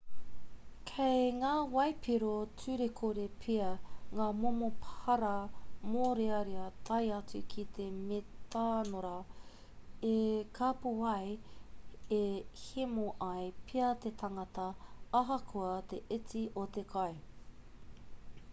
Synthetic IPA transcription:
kʰejŋaːwɐjpʰiɾot͡sʉɾekʰoɾepʰiɐŋaːmomophɐɾɐmoɾeɐɾiɐt̪ʰɐjɐt͡sʉkʰit̪ʰemet̪aːnoɾɐ | ekʰɐpuwɐj | ehemoʔɐjpʰiɐt̪et̪ʰɐŋɐt̪ɐːɦɐkʰuɐt̪eʔɪt͡siʔot̪ekʰɐj

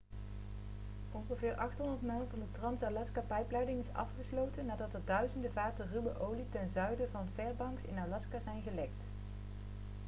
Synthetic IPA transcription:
ʔɔnχəvɪːɹʔɑχtɦɔndəɹtmɛlˠvɑndətrɑnsalɑskapɛjplɛjdɪŋɪsɑ̰fχəslowtənːaːdɑtəɹdœɥzəndəvaːtərywəʔowlitɛnzœɥdəvɑnfɛɹbɑŋksɪ̰nalɑskazɛjnχəlɛkt

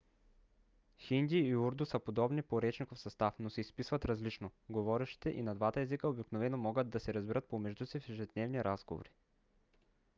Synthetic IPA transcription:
xind̪ʲiːuɾd̪usəpod̪ɔbnipoɾɛt͡ʃnikofsɐst̪afnosɛispisvɐt̪ɾɐzlit͡ʃnoɡovɔɾɛʃt̪i̥t̪ɛʔinɐd̪vat̪əɛzikəobiknovɛnomɔɡət̪̚d̪ɐsɛɾɐzbiɾət̪̚pomɛʒd̪usifɛʒɛd̪nɛvniɾazɡovo̰ɾi

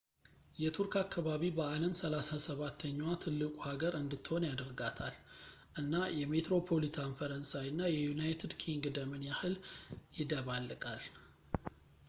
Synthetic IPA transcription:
jɛt̪ʰuɾkakːaβaβibəaləmsəlasasəβat̪ʰːəɲːwat̪ʰɨlːɨkʼuhaɡəɾɨnd̪ɨt̪ːɨho̞njad̪əɾɡat̪ʰalʔɨnːajɛme̞t̪ɾo̞pʰo̞lit̪ʰanfəɾənsawnːajɛjunajt̪ʰɨd̪kʰiŋɡd̪əmɨnjahɨljɪd̪əβalːɨkʼal

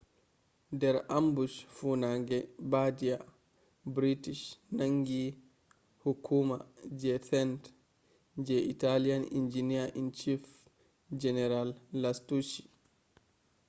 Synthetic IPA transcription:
dɛɾambusfunaŋɡɛbadija | bɾitiʃnaŋɡi | hukʰuma̰d͡ʒɛθɛnt | d͡ʒɛʔitalijanḭnd͡ʒiniaʔint͡ʃif | d͡ʒɛnɛɾalːastut͡ʃi̥

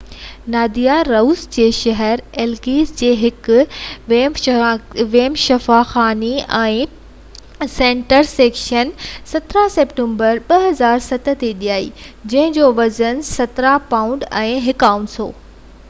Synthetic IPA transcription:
naːd̪ijaɾɐusd͡ʑeːʃɐɦɛɾeːlɡiːzd͡ʑeːɦɪkʊʋem | ʋeːmʃɐfaːxaːniɛ̃ː | sẽːɳʈəɾseːkʃənsɐt̪ɾaseːpʈẽːmbəɾɓɐɦɐzaːɾsɐt̪ə̆t̪eɗijaːḭːd͡ʑɐ̃ɦɪ̃d͡ʑoːʋɐzənsɐt̪ɾapaːʊ̃ɳɖɛ̃ːɦɪkaːũɳsɦo̰ː

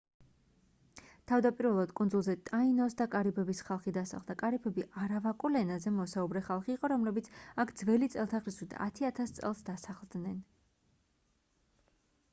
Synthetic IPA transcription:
t̪ʰavd̪apʼiɾvɛlˠad̪kʼunzulˠzɛt̪ʼainɔsd̪akʼaɾibʰɛbisχalˠχid̪asaχlˠd̪akʼaɾipʰɛbiʔaɾavakʼulɛnazɛmɔsaubɾɛχalˠχiːqʼɔɾɔmlɛbit̪sʰakʰd̪zvɛlit̪sʼɛlˠt̪ʰaʁɾiswit̪ʰa̰t̪ʰiat̪ʰast̪sʼɛ̰lˠsd̪asaχlˠd̪nɛn

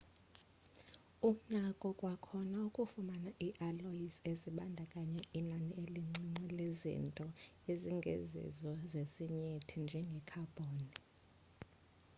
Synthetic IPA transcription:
um̩nakʼɔkʼwakʰɔnaukʼufumanaʔiʔaloiseziɓandʱakʼaɲɛinanieliŋ͡ǀiŋ͡ǀilezḭntʼɔ | eziŋɡʱḛzḭzwɔzesiɲetʰind͡ʒʱɛŋɡʱɛkʰab̥ʱoːni

